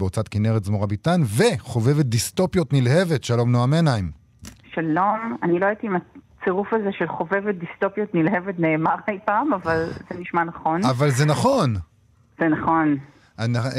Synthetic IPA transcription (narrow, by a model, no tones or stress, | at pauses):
eot͡sat̪kineʁetzmoʁabitanveχo̞ve̞vet̚disto̞pjo̞tnilhe̞ve̞tʃalo̞mnoameanaim | ʃalo̞manilo̞ait̪iimat͡seʁufaze̞ʃelχo̞ve̞vet̚dist̪o̞pjo̞t̪nilhevetneːmahajpaːmavalzeniʃmanaχo̞navalzenaχo̞n | z̥enaχo̞n | ana